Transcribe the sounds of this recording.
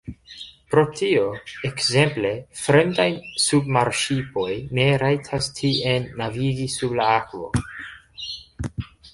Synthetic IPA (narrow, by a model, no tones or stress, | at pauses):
pɾo̞tʰioekze̞mple̞fɾe̞ndajsubmaɾʃipo̞jne̞ɾajtʰastʰienːaviɡisublaakvo̞̰